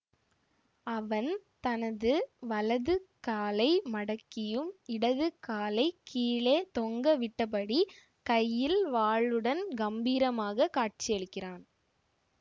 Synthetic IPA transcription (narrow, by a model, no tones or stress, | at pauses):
ɐʋɐnt̪ɐnɐðɯʋɐlɐðɯkaːlɐɪmɐɽɐkːɪjɯmɪɽɐðɯkːaːlɐɪkʰiːɭeːt̪ɔŋɡɐʋɪʈːɐp̬ɐɽi | kɐjːɪlʋaːɭɯɽɐnɡɐmbiːɾɐmaːɣɐkaːʈ̚t͡ʃɪjɐɭɯkːɪraːn